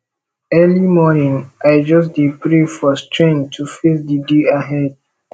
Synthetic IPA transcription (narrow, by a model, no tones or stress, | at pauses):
ɛlimɔnĩŋʔaɪd͡ʒʌs̬dipɹefɔstɹẽntʰufesdideaɦɛd̚